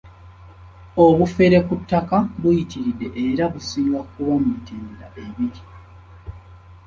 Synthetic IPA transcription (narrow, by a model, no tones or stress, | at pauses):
oβufe̞ɾe̞kutːakaβujitiɾidːe̞ʔeɾaβusiːŋɡakuwamiteːndaʔe̞βiɾi